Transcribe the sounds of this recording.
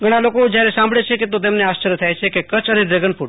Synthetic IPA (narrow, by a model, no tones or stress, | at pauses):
ɡʱəɽ̃alokod͡ʒjaɾesãmbɭet͡ʃʰeket̪ot̪̬emneast͡ʃəɾjət̪ʰajt͡ʃʰekekət͡ʃəneɖɾeɡənpʰuʈ